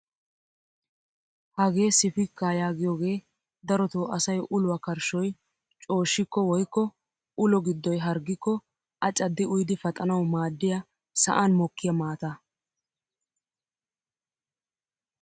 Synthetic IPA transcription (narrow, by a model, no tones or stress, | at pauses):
hɐɡe̞ːsɪfɪkːajaːɡɪjoːɡe̞ː | d̪ɐɾɔt̪uːɐsɐjʔʊlʊwɐkɐɾʃɔj | t͡ʃʼo̞ːʃːɪkːɔwɔjkːɔ | ʊlɔɡɪd̪ːɔjɦɐɾɡːɪkːɔ | ʔɐt͡ʃʼːɐd̪ːɪʊjd̪ɪfɐt̪ʼɐnɐwmaːd̪ːɪjɐ | sɐ̰ʔanmɔkːɪjɐmaːt̪ɐ